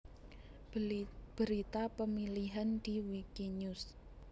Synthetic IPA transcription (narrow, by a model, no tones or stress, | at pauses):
b̥əɾit̪apəmiliɦand̪̥iwikiɲus